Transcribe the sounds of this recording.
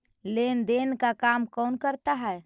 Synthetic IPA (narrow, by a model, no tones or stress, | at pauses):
lend̪enkakamkɔːnkəɾt̪aɦɛ